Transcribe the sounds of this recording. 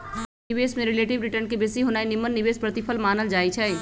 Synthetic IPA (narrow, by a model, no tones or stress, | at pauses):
ɪʋeːsmẽɾɪleːʈɪʋɾɪʈəɾnkibesiɦoːnaːinɪmːənːɪʋeːspɾət̪ɪpʰəlmaːnəld͡ʒaːit͡ʃʰɛ